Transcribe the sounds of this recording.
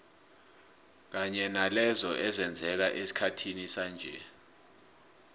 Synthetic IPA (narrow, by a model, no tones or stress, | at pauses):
k̬aɲɛnalɛzɔʔɛzɛnd͡zʱɛk̬aʔesi̥kʰatʰinisand͡ʒʱɛ̰